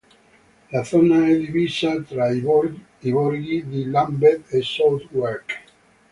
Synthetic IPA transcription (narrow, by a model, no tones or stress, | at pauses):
lad̪θɔnaɛd̪ivisat̪ɾai | ibɔɾɡid̪ilambɛd̪esɔlt̪wɛɾk